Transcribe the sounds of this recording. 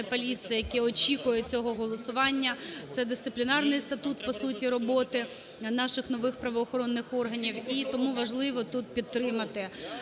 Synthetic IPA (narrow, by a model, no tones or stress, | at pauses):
pɔlʲisʲjjɐkɛɔt͡ʃʲikʊjɛt͡sʲɔɦɔɦɔlˠɔsʊʋɑnʲːɐt̪sɛd̪ɪst̪sɪplʲinɑrnɪjst̪ɐt̪ut̪̚pɔsutʲiɾɔbɔt̪ɪ | nɑʃɪxnɔʋɪxpɾɐʋɔːxɔɾɔnːɪxɔrɦɐnʲiwit̪ɔmuʋɐʒlˠɪʋɔt̪ut̪̚pʲid̪̚t̪ːɾɪmɐt̪ɪ